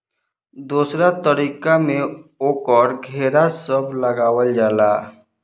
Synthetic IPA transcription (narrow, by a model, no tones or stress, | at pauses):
d̪uːsɾat̪əɾiːkamẽoːkɔːɾɡʱeːɾasəbləɡaːwəld͡ʒaːlaː